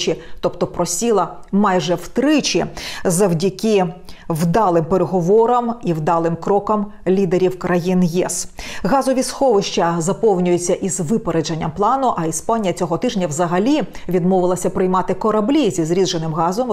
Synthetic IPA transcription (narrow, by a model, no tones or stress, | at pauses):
t͡ʃɪt̪ɔpt̪ɔpɾɔsʲilˠɐ | mɑjʒɛwt̪ɾɪt͡ʃizɐwdʲɐkʲɪwd̪ɑlˠɪmpeɾeɦɔʋɔɾɐmiwd̪ɑlˠɪmkɾɔkɐm | lʲid̪eɾʲiwkɾɐjinjɛ̰sɣɑzɔʋʲisxɔʋɪʃt͡ʃɐzɐpɔwnʲʊjʊt͡sʲːɐʔizʋɪpeɾed͡ʒɐnʲːɐmplˠɑnʊʔɐispɑnʲijɐt͡sʲɔɦɔt̪ɪʒnʲɐwzɐɦɐlʲiʋʲid̪mɔʋɪlˠɐsʲɐpɾɪjmɑt̪ɪkɔɾɐblʲizʲizɾʲid̪ʒenɪmɦɑzɔm